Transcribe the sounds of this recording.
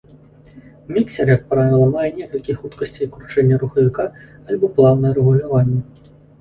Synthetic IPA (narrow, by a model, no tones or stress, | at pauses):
mʲiksʲɛrjɐk̚pɾavʲilˠɐmajɛnʲɛkɐlʲkʲixut̪kɐsʲt͡sʲijkɾut͡ʂɛnʲːɐɾuxɐvʲikaːlʲbɔplˠawnːɐjɐɾɛɣulʲavanʲːɛ